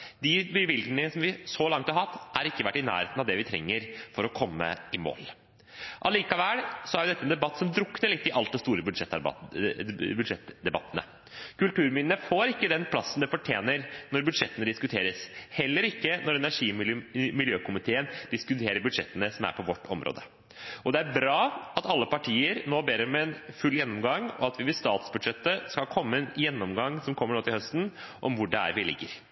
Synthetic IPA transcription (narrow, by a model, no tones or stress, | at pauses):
d̪ɪbɪʋɪlɡnəəsɔmʋɪsɔlɑŋt̪ɑɾɦɑt̪ːʔæɾɪkːəʋæʈːɪnæ̰ːɾheːt̪nɑʋd̪ɛʋɪt̪ʰɾɛ̰ŋːəɾfɔɾɔkʰɔmːə̰ɪmo̰ːl | ʔɑliːkɑʋæːlsɔæɾjʊd̪ɛt̪ːəɛnd̪ɛbɑt̪ːsɔmd̪ɾʊkːnəɭɪt̪ːɪʔɑlt̪̚d̪ɛst̪uːɾəbʉʂɛt̪ː | bʉd̪ʂɛt̪ːd̪ɛbɑt̪ːənə̰ | kʉlt̪ʉːɾmɪnənəfoːɾɪkːəd̪ɛnpʰlɑsːnd̪ɛfɔʈʰjeːnəɾnɔɾbʉd̪ʂɛt̪ːənəd̪ɪskʉt̪ʰeːɾəshɛlːəɾɪkːənɔɾɛnæʂiːmɪljøːkʊmɪt̪ʰeːənd̪̥ɪskʉt̪ʰeːɾəɾbʉd̪ʂɛt̪ːənəsɔmæ̰ɾpʰɔʋɔʈːɔmɾʔo̰ːd̪ə | ɔd̪ɛæɾbɾɑːɑt̪ɑlːəpɑʈʰiːəɾnoːbeːɾəɾɔmɛnfʉlːjɛnːɔmɡɑŋɔɑt̪ʋɪʋɪst̪ɑːt̪sbʉd̪ʂɛt̪ːəskɑlkʰɔmːəɛnjɛnːɔmɡɑŋːsɔmkʰɔmːəɳoːt̪ɪlhœst̪n̩ʔɔmʋʊɖɛæ̰ɾʋɪlɪ̰ɡːəɾ